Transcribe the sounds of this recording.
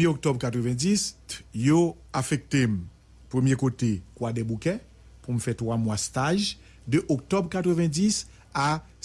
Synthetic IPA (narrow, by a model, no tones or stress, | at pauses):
mjeok̚t̪ɔbkat̪ʁəvɛ̃disjo | afɛk̚t̪em | pʁəmjekotekwadɛbukɛ̃ | pumfɛt̪χwamwast̪aʒ | dəʔɔk̚t̪ɔbkat̪χəvɛ̃dis | a